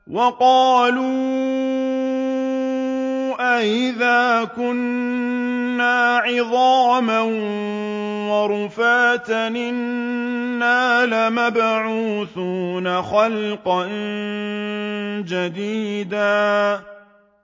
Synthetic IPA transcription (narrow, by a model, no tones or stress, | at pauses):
wɑqɑːluː | ʔaʔɪðaːkʊnː | aːʕɪðˤɑːman | wɑɾˤʊfaːt̪nɪnː | aːlamabʕuːθuːnaxalqɑn | d͡ʒad̪iːd̪aː